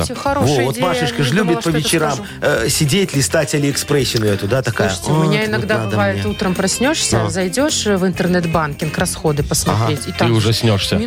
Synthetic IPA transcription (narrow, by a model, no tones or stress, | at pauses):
ɪxɐɾovovot̪maʂɨʂkəʐlʲubʲɪt̪pːəvʲɪt͡ɕɪɾam | əsʲɪdʲetʲlʲɪst̪atʲalʲɪɪkspɾɛsʲːɪnʊɛt̪ʊd̪at̪ɐkajəsmmɪaɪnɐɡd̪ad̪vajɪt̪ut̪ɾəmpɾɐsʲnʲoʂsʲəzɐjdʲo̞ʂvɨnt̪ɨrnɛt̪bankʲɪnkrɐsxo̞d̪ɨpəsmɐtɾʲetʲit̪ɨʊʐɛsʲnʲoʂsʲə